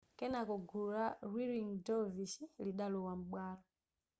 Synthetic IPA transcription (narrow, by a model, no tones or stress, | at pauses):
kɛnakɔɡuɾarwiɾiŋdɔvisiliɗalɔwam̩ɓwaːlɔ